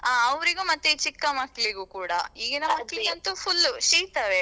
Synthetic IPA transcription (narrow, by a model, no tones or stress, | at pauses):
aɐʋɾiɡumɐt̪ːeit͡ʃikːɐmɐkːɐɭiɡukuːɽɐ̰iːɡinɐmːɐkːɐɭiɐnt̪upʰulːʃiːt̪ɐʋe